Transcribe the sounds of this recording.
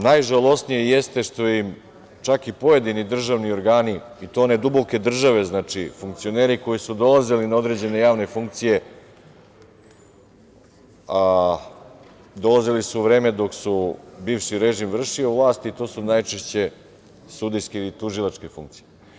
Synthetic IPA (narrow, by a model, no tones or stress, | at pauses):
najʒalˠo̞snijejest̪e̞ʃt̪o̞jim | t͡ʃakipo̞je̞d̪inid̪r̩ʒaʋnio̞ɾɡaːni | it̪oːne̞d̪ubo̞ke̞d̪r̩ʒaʋe̞znaːt͡ʂifuŋk̚t̪sio̞ne̞ːɾiko̞jisud̪o̞lˠazilinao̞d̪ɾe̞d͡ʑe̞ne̞jaːʋne̞fuŋk̚t̪sije̞ | a | d̪o̞lˠazilisuʋɾe̞ːme̞d̪o̞ksubiːfʃiɾe̞ʒimʋr̩ʃioʋlˠaːst̪it̪o̞ːsunajt͡ʃe̞ʃt͡ɕe̞ | sud̪ijske̞ilit̪uʒilˠat͡ʂke̞fṵŋk̚t̪si̥je